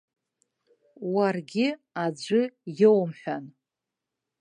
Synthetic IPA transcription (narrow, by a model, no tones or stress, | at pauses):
warɡʲɪad͡ʒʷʏjowmħʷᶣan